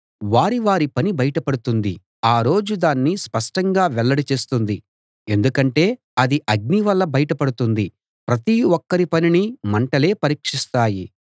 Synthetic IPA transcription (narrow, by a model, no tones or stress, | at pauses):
ʋaːɾiʋaːɾipɐnibɐjɐʈɐpɐɽut̪und̪i | aːɾo̞ːd͡ʒud̪aːnːispɐʂʈɐŋɡaːʋɛlːɐɽit͡ʃe̞ːst̪und̪i | e̞nd̪ukɐɳʈe̞ː | ɐd̪iʔɐɡ̚niʋɐlːɐbɐjɐʈɐpɐɽut̪und̪i | pɾɐt̪iwɔkːɐɾipɐninimɐɳʈɐle̞ːpɐɾiːkʂist̪aːji